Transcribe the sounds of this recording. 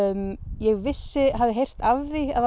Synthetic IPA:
mjɛɣvɪsːɪɦavðɪɦejr̥t̪avθia̰ð

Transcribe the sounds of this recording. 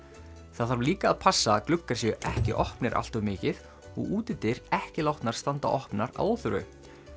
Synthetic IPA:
θaðaɾvliːkaːðpʰasːaklʏkːḁsjɛʏʔɛhcɪ̰ʔɔhpnɪɾʔa̰l̥t̪ɔmɪːcɪð | ɔ̰ɣuːt̪ɪt̪ɪɾɛhcɪlawht̪naɾ̥st̪ant̪a̰ʔɔhpnaɾa̰ðowθʏɾʏ̰

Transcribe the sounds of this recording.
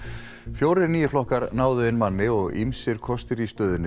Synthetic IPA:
fjoːwɾɪɾniːjʏflɔhkaɾnaːwðʏɪnmanːɪɔɣḭmsɪɾ̥kʰɔst̪ɪɾist̪œːðʏnːɪ

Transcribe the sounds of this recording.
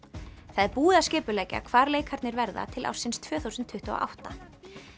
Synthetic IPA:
θaðɛɾpuːðascɪːpʏlɛːcɪa̰kʰvaːɾleːjkʰaɾt̪nɪɾvɛɾða̰t̪ʰɪlʔa̰wsɪnst̪ʰv̥œːθuwsʏnt̪ʰːʏht̪ɔa̰ʔa̰wht̪a

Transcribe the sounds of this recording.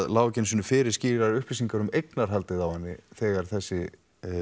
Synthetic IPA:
ðlaːwcɪnsʏnʏfɪɾɪɾ̥sciːɾaɾɾʏhplisiŋkaɾʏmejknaɾ̥ɦalt̪ɪðawhanːɪ̰θɛːɣaɾ̥θɛsːɪ

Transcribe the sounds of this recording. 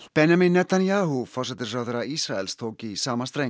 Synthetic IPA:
pɛnjamɪnːɛt̪ʰanjaːɦufɔr̥sɛt̪ɪɾfɾawðeɾaisɾaɛlst̪ʰoːwcɪsaːmast̪ɾe

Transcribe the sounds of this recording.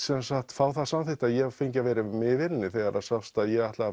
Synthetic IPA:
sɛnsaht̪faːwθasamθɪht̪aðjɛɣfeɲcavɛːɾɪmɪvɪɾɪnːɪθɛɣaɾaðsafst̪aðjɛɣajht̪laɣa

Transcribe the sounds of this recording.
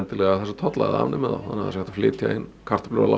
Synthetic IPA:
nt̪ɪlɛɣaθɛsḁt̪ʰɔt̪la̰ɣð̰a̰ːvnɪmɛða̰wa̰nːaðasaht̪aflɪːt̪ja̰ɪnːkʰar̥t̪ḁplʏɾa̰la̰

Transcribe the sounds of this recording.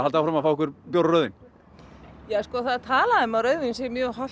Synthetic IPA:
alt̪awfɾamafawɛkʏɾpjowɾrœːðɪn | jaːskɔːθaðt̪ʰaːlaðʏmaɾœːɥðɪnsjɛmjʏœːɦɔ

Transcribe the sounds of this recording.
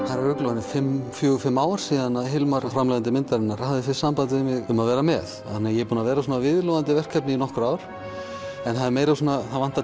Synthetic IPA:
θaɾɛɾœklɔanɪfɪmːfjœːɣʏfɪmːaːwaɾ̥siːðanaðɦɪlmaɾafɾamlɛjɣant̪ɪmɪnt̪aɾɪnaɾahaðɪfɪ̥sampant̪ɪðɪmɪɣʏmaðvɛːɾamɛθanːajɛɾpuːnavɛːɾasɔːnavɪðlɔðant̪ɪvɛr̥kʰːɛpnɪinɔhkɾaːwɾ̥ | ɛnθaðɪɾmeːjɾasɔːnaθaðvan̥t̪a

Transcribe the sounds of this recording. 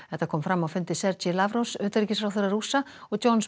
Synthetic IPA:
ɛht̪akʰɔːmfɾamːafʏnt̪ɪsɛɾt͡ʃilavɾosœht̪ɾicːɪsfɾawθʏɾaɾusa | ɔɣtowns

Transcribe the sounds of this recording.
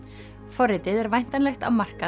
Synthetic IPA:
fɔrːɪt̪ɪðɛɾvajn̥t̪anlɛxt̪awmar̥ka

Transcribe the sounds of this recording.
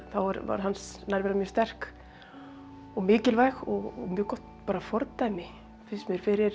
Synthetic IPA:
θawvaɾva̰ɾ̥ɦansnajɾvɛːɾamjœːst̪ɛr̥k | ɔɣmɪːcɪlvajxɔɣɣmjœːkɔht̪paːɾafɔɾt̪ajmɪ | fɪsmjɛɾ̥fɪɾɪɾ̥

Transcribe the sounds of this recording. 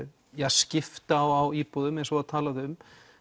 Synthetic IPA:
jɛɣscɪft̪aːwawiːpɔðʏmɛ̃nsɔaðt̪ʰaːlaðɪʏm

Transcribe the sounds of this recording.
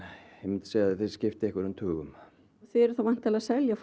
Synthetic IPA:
ejmɪnt̪sejðaðθeðscɪft̪ɪɛhkvaɾʏmt̪ʰʏːɣʏm | θɪɛɾʏ̥θawvajn̥t̪ʰːɪlasɛljaf

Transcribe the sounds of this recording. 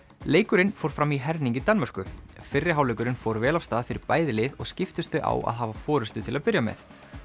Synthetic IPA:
leːjkʏɾɪnfowɾ̥fɾamiɦɛɾniŋɲcɪt̪anmar̥kʏfɪrːɪɦawlejkʏɾɪnfoːwɾvɛːlafst̪aːðfɪɾɪɾpaːjðɪlɪːðɔ̰ɣscɪft̪ʏst̪ʏʔa̰wʔa̰ðɦaːvafɔːɾʏst̪ʏt̪ʰɪlaðpɪɾjamɛ̰θ

